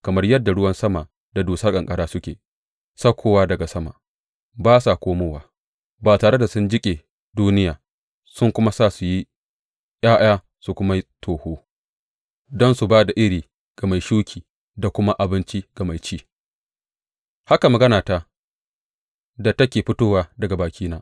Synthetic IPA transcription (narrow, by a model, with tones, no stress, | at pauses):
kɐ˨mɐ˦rjɐ˦dːa˨ɽʊ˦wɐ˦nsɐ˦ma˨ | da˨doː˨sɐ˦kʼɐ˨ŋkʼɐ˦ɽaː˦sʊ˦kʲḛː˨ | sɐ˦kʷʰːoː˨waː˦dɐ˨ɡa˨sɐ˦ma̰˨ | baː˦sa˨kʷoː˦moː˦waː˨ | baː˨taː˨ɽe˦da˨sʊ˦nd͡ʒɪ˦kʲʼeː˨ | duː˦nɪ˦jaː˨ | sʊ˦ŋkʷʊ˦ma˦saː˦˨su˨ji˦ | j̰aː˦ʔj̰aː˦ | su˨kʷʊ˦ma˦tʰoː˨hoː˦ | dɔ˦nsu˨baː˦da˨ʔɪ˦ɾiː˨ | ɡ̥ɐ˨ma˨jʃuː˦kʲʰiː˨ | da˨kʷʊ˦ma˦ʔa˨bɪ˦nt͡ʃi˦ɡ̥ɐ˨ma˨jt͡ʃiː˦ | ha˦ka˨mɐ˨ɡɐ˦naː˨ta˨ | da˨tɐ˦kʲeː˨ɸɪ˦toː˦waː˦dɐ˨ɡa˨baː˨kʲʰiː˦naː˦